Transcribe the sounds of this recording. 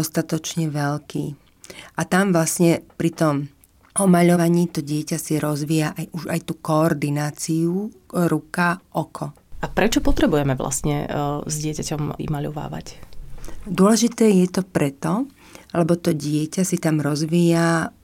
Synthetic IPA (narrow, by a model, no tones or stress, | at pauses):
ɔst̪at̪ɔt͡ʃɲɛʋɛʎkḭː | ʔat̪amʋlasɲɛpɾit̪ɔm | ʔɔmaʎɔʋaɲiːt̪ɔɟɪɛcasiɾɔzʋiːjaʔajuʒajt̪uːkɔːɾd̪inaːt͡siuɾukaʔɔkʰɔ | ʔapɾɛt͡ʃɔpɔt̪ɾɛbujɛmɛʋla̰sɲɛ̰zɟɪɛcacɔmḭmaʎɔʋa̰ːʋa̰c | d̪ʊɔlɛʒit̪ɛːjɛt̪ɔpɾɛt̪ɔ | lɛbɔt̪ɔɟɪɛcasit̪amɾɔzʋiːja